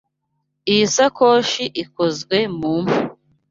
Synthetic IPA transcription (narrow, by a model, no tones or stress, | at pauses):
isakoːʃiʔikozɡwe̞mumu